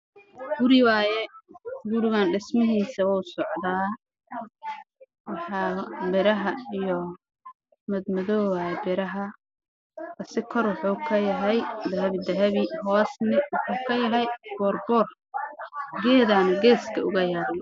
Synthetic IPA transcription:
ɡʊɾɪwaːjɛɡʊɾɪɣaːnɖɪsmɐɦiːsɐwɔːsɔʕd̪aː | wɑħɑːmɪɾɐɦɐijɔ | mɐd̪mɐðɔːwabɪɾɐɦɐ | kɐsɪkʰɔrwʊħuːkʰɐjɐɦɛjd̪ɐɦɐβɪd̪ɐɦɐβɪhɔːsnɪwʊħuːkʰɐjɐɦɛjb̥ɔːrbɔr | ɡɛːðaːnɡɛːskʰɐʊɣɐjaːɾɪ

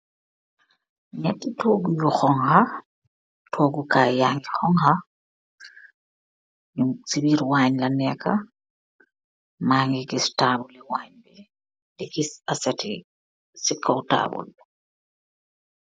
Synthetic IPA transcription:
ɲatːitɔɡujuxɔŋha | tʰɔɡukajaŋɡixɔŋha | jusibiɾwaɲlanɛkʰa̰ | maːŋɡiɡistaːbulɛwaɲbɛ | liɡisasɛti | sikʰːauta̰ːbṵl

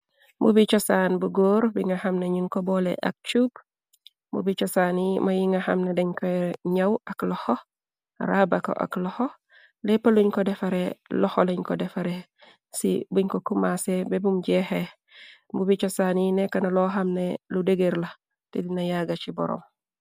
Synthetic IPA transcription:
mbṵbit͡ʃɔsaːnbuɡoːɾbiŋɐhɐmneɲuŋkobɔlḛʔɐ̰k̚t͡ʃub | mṵbit͡ʃɔsanimɐjiŋɡahɐ̰mnedeɲkoɲɐwɐklɔho | ɾabako̰ʔa̰klɔho | lɛpɐluɲkɔdɛfaɾelɔholɐɲkɔdɛfaɾe | sḭbuɲkokumasebɛbumɟɛhe | mbubit͡ʃɔsaninɛkːɐnɐlɔɦɐmneludeɡeɾlɐ | tɛdinɐjaɡat͡ʃibɔ̰ɾɔ̰m

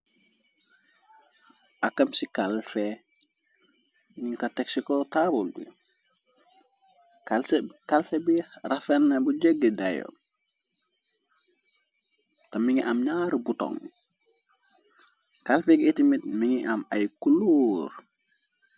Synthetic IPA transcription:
akɐmsikalfe | ɲiŋkɐteksikotabulbḭ | kkalfebirɐfenːɐbuɟeɡidajo̰ | tɐmiŋiʔamɲaːɾbutɔ̰ŋ | kalfekitimit̚miŋiʔamajkulur

